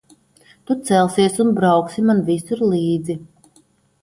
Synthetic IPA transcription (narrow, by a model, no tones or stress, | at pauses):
t̪ut̪sɛlˠsiɛsunbɾawksimanvisuɾlˠiːd̪zi